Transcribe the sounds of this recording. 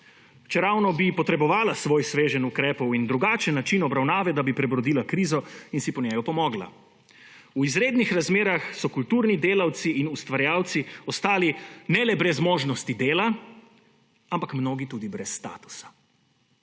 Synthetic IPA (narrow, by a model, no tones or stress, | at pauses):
t͡ʃɛɾawnɔbipɔt̪ɾɛbɔʋaːlasʋoːjsʋeːʒɛnukɾɛːpɔwind̪ɾuɡaːt͡ʃɛnːat͡ʃinɔbɾawnaːʋɛd̪abipɾɛbɾɔd̪iːlakɾiːzɔinsipɔɲɛjɔpɔmɔːɡla̰ | uizɾeːd̪nixɾazmeːɾaxsɔkult̪uːɾnid̪eːlawt̪siʔinust̪ʋaɾjaːwt̪siɔst̪aːlinɛlɛbɾɛzmoːʒnɔst̪id̪eːla | ampakmnoːɡit̪ud̪ibɾɛsːt̪a̰ːt̪u̥sḁ